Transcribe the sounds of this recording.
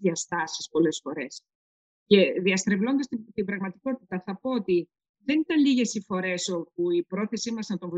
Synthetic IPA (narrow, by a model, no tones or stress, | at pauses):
iɐst̪ɐsispo̞le̞sfo̞ɾe̞s | ce̞ðiɐst̪ɾevlo̞nd̪ɐst̪it̪ibɾɐɣmɐt̪iko̞t̪it̪ɐθɐpo̞ot̪i | ðe̞nit̪ɐnliʝe̞sifo̞ɾe̞so̞p̚uipɾo̞θe̞simɐznɐt̪oɱvo